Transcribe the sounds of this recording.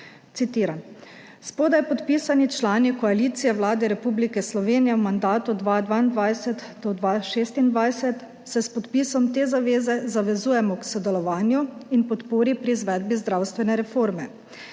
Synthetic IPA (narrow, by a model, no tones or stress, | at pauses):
t̪sit̪iːɾan | spoːd̪ajpɔt̪piːsanit͡ʃlaːnikɔaliːt̪sijɛwlaːd̪ɛɾɛpublikɛslɔʋeːnijɛwmand̪aːt̪ud̪ʋad̪ʋaːind̪ʋajsɛt̪ | d̪ɔd̪ʋaʃeːst̪ind̪ʋajsɛt̪ | sɛspɔt̪pisɔmt̪eːzaʋeːzɛzaʋɛzuːjɛmɔksɔd̪ɛlɔʋaːnjuinpɔt̪poːɾipɾizʋɛd̪̚bizd̪ɾawst̪ʋɛnɛɾɛfoːɾmɛ